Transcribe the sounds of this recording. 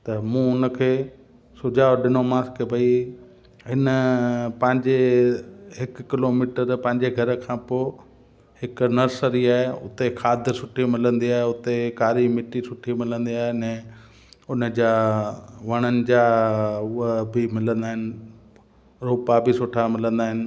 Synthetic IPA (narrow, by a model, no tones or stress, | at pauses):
t̪ɐmũːʊnəkʰeː | sʊd͡ʑaːoɗɪnomaːskbʱɐi | ɦɪnəpɐ̃ɦɪ̃ɲd͡ʑe | ɦɪkkɪloːmiːʈəɾpɐ̃ɦɪ̃ɲd͡ʑeɡʱɐɾkʰãːpoː | ɦɪknɐɾsəɾiaːɦeʊ̰t̪ekʰaːd̪ʱsʊʈʰimɪlə̃nd̪iaːɦeʊt̪ekaːɾimɪʈisʊʈʰimɪlə̃nd̪iaːɦenɛ̃ː | ʊnə̆d͡ʑaːʋɐɽ̃ənɪ̆d͡ʑaːʊəbʱɪmɪlə̃nd̪aːɦɪnɪ̆ | ɾuːpabʱɪsʊʈʰamɪlə̃nd̪aːɦɪnɪ̆